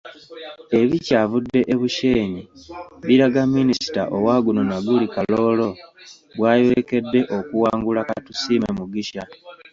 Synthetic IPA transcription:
e̞βicaːvudːe̞ʔeβuʃe̞ːɲiβiɾaɡamːinisi̥taʔowaːɡunonaɡulikaloːlo̞ | βwaːjweke̞dːe̞ʔo̞kuwaːŋɡulakatusiːmemuɡiʃa

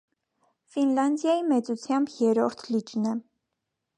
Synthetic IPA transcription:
finlɑnd̪jɑjimɛt͡sut͡sʰjɑmbjɛɾɔɾt̪ʰlid͡ʒnɛ

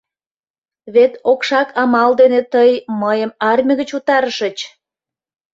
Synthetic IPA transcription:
βet̪okʃɑkʰɑmɑld̪enet̪əjməjəmɑrmʲəɣət͡ɕut̪ɑɾəʃət͡ɕ

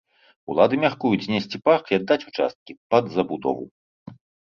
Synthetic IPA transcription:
ṵlˠad̪ɨmʲarkujud͡zʲzʲnʲesʲt͡sʲipakiad̪ːat͡sʲut͡ʂa̰st̪̚kʲipɐd̪zɐbud̪ɔ̰vṵ

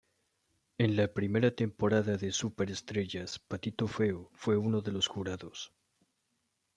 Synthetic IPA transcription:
e̞nlapɾime̞ɾat̪e̞mpo̞ɾaðaðe̞supe̞ɾest̪ɾe̞ʝaspat̪it̪o̞fe̞ofwe̞uno̞ðe̞lo̞sxuɾaðo̞s

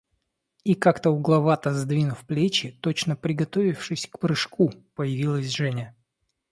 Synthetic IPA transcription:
ikakt̪əʊɡlˠɐvat̪əzd̪vʲinʊfplʲet͡ɕɪt̪o̞t͡ɕnəpɾʲɪɡɐt̪o̞vʲɪfʂɨsʲkpɾɨʂkupəjɪvʲilˠəsʲʐɛnʲə

